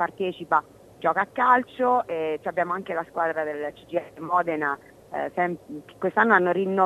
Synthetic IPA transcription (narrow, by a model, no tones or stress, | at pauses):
part̪ɛːt͡ʃipa | d͡ʒɔːkakːalt͡ʃoet͡ʃabːjaːmoaŋkelaskwaːd̪ɾad̪elt͡ʃid͡ʒiɛt̪ːemɔːd̪ena̰ | sɛmke̥kːwest̪anːoanːoɾinːo